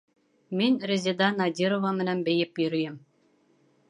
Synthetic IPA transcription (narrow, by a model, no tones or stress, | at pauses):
mʲɘnʲrʲɘ̆zʲed̪ɑnɑdʲiɾovɑmɘ̆næmbejɘ̆pjiɾʲijɘ̆m